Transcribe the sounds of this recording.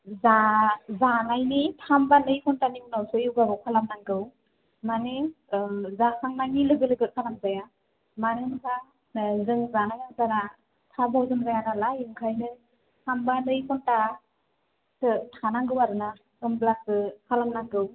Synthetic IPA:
zazanajnitʰambanɯjpʰɔntanimnawsɯiwɡabɯkʰalamnaŋɡɯw | mane | zasʰaŋnaŋnilɯɡɯlɯɡɯt̚kʰalamzaja | manɯnkʰa | zɯŋzanajazana | tʰabawzɯmzajanalajɯŋkʰajnɯ | tʰambanɯjpʰɔnta | tɯtʰanaŋɡɯwaɾɯna | ɯmblak̚ɯkʰalamnaŋɡɯw

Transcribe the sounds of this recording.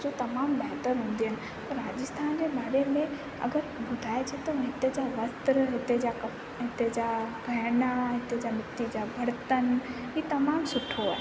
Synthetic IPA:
d͡ʑot̪ɐmaːmbɐɦt̪əɾɦũːn̆d̪iɦənɪ̆ | p̪ɐɾɾaːd͡ʑəst̪ʰaːnd͡ʑebaːɾemẽ | ɐ̰ɡəɾbʊd̪ʱaːet͡ɕʰet̪ɐɦɪt̪ed͡ʑaʋɐst̪ɾɦɪt̪ed͡ʑa | ɦɪt̪ed͡ʑabʱɐɦnaɦɪt̪ed͡ʑamɪt̪ːid͡ʑabʱɐɽt̪ən | ɦiːt̪ɐmaːmsʊʈʰoaːɦe

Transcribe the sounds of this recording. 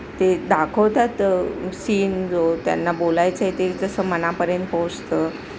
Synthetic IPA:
t̪ed̪akʰəwt̪at̪siːnd͡zot̪ja̰nːabolajt͡səet̪ed͡zəsəːmənapəɾjənt̪̚pod͡zt̪ə

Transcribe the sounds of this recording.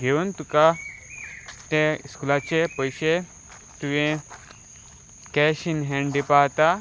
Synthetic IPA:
ɡʱeunt̪uka | t̪ẽiskulat͡ɕepəjɕe | t̪uʋẽ | kɛɕinɦɛ̃ɳɖipat̪a

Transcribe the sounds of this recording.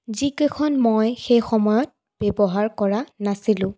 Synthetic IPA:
zikekʰɔnmɔjxejxɔmɔjɔt̚ | b̥ɛbɔɦaɹkɔɹanasilʊ̃

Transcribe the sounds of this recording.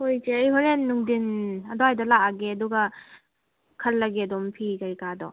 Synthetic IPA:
hojzeejhoɾenːuŋdinɐdɔajdɐlaaɡeɐduɡɐ | kʰɐlːɐɡeɐdɔmpʰikɐɾikadɔ̰

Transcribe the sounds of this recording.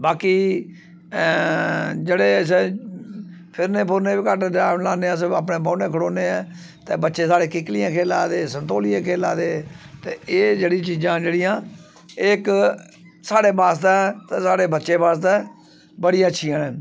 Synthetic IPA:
baːkiː | d͡ʒeːɽeːs̬ɛ | pʰɪɾnẽːpʰʊɾnẽːbikəʈd̪ɾaːlaːneːãːs̬əaːp̬nẽːbaːnẽːkʰəɽoːneːɛ̃ː | t̪eːbətːʃeːsaːɽeːkɪklɪjãːkʰeːla̰ːd̪eːsənt̪oːlɪjãːkʰeːla̰ːd̪eːt̪eːeːd͡ʒeːɽĩt͡ʃiːd͡ʒãːd͡ʒeːɽɪjãː | ɪk | saːɽeːbaːst̪ɛːt̪eːsaːɽeːbətːʃeːbaːst̪ɛː | bəɽijãːətːʃʰijãːnɛː

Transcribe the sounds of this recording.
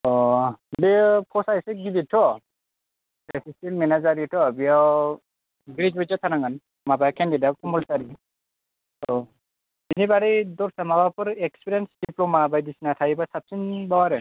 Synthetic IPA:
ɔbepʰɔsaiseɡibitʰːɔ | bɛpʰisilmɛnazaɾitʰɔbijaw | ɡɾid͡ʒbɔd͡ʒat̪ʰanaŋɡan | mabajkʰɛndidakɔmɔlsaɾi | ɔ | dinibaɾidɔɾsamabapɯɾekspiɾensdiplɔmabajdisnat̪ʰaibasap̚sinbawaɾɛ

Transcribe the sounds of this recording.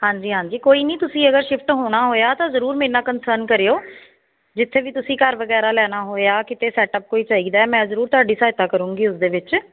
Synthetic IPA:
hãːɲd͡ʒiːɦãːɲd͡ʒiːkoːiːnĩːt̪ʊsĩːəɡəɾʃɪpʰʈɦoːɽ̃aːɦoːjaːt̪ãːzəɾuːɾmẽːnãːkənsəɾnkəɾejoː | d͡ʒɪt̪ʰːeːʋiːt̪ʊsĩːkəɾʋəɡɛːɾaːlɛːñaːɦoːjaːkɪt̪eːsɛːʈəp̚koːiːt͡ʃaːiːd̪aːɛːmɛ̃ːzəɾuːɾt̪ʊaːɖiːsaːɦɪt̪aːkəɾũːɡiːʊsd̪eːʋɪt͡ʃ

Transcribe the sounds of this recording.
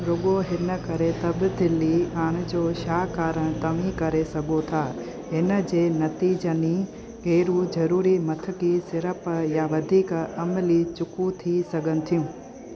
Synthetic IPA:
ɾoɡoɦɪnəkɐɾet̪ɐbd̪ɪlːiːaːɽ̃d͡ʒoːʃaːkaːɾəɽ̃t̪ɐʋĩkɐɾesɐɡot̪ʰaː | ɦɪnəd͡ʒeːnɐt̪iːd͡ʒəni | keːɾũd͡ʒɐɾuːɾimɐt̪ʰəkisɪɾəpjaːʋɐd̪ʱiːkɐmlit͡ʃʊkũt̪ʰisɐɡənɪ̆t̪ʰijũː

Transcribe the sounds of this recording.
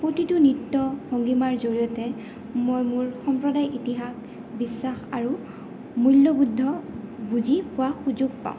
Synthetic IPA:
pɹotitunitːɔbʱoŋɡimaɹzoɹijɔtɛ | mojmuɹxɔmpɹɔdajʔitiɦak | bisːaxaɹu | mulːobudʱːɔbuzipʊwaxuzuɡ̚pa̰ʊ̃

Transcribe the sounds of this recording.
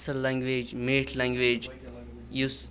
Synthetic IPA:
səllɛ̃ŋɡʋeːd͡ʒmeːʈʰlɛ̃ŋɡʋeːd͡ʒ | jus

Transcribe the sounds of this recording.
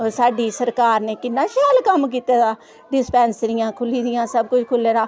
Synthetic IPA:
saːɖiːsəɾkaːɾneːkɪnːãːʃaːlkəmkiːt̪aːd̪aː | ɖɪspɛ̃ːnsɾɪjãːkʰʊliːd̪ɪjãːsəb̚kʊt͡ʃʰkʰʊlːeːɾaː

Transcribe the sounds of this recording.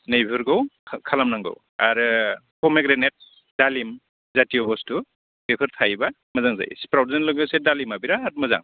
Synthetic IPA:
nejbʰʱɯɾɡawʰkʰalamnaŋɡɯ̰w | aɾɯkɔmekɾenet̚ | d̥alim | zatiɔbɔstu | ɡepʰɯɾtʰajba | mɐzaŋza̰jspɾawdenlɯɡɯsedalimabiɾaɦat̚mɯza̰ŋ

